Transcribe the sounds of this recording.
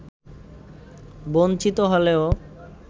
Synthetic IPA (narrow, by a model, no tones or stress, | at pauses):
bont͡ɕit̪oɦoleo